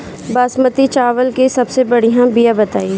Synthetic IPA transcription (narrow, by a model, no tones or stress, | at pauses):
baːsmət̪it͡ʃaːʋəlkesɐbsebɐɽ̤ijãbijabɐt̪aːi